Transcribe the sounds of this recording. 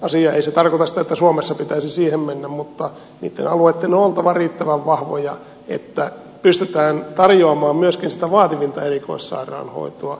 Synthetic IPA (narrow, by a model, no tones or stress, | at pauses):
ɑsiɑeiset̪ɑrkot̪ɑsi̥t̪æet̪ːæsuomesːɑpit̪æisisiːhemmenːæmmut̪ːɑ | nḭːt̪ːḛnɑluet̪ːenoolt̪ɑʋɑriːt̪ːæʋæʋʋɑhʋojɑ | ḛt̪ːæ | pyst̪yt̪æːnt̪ɑrjoɑmɑːmmyøskinsi̥t̪æʋɑːt̪iʋint̪ɑeriko̰issɑ̰irˑɑ̰ːnho̰it̪oɑ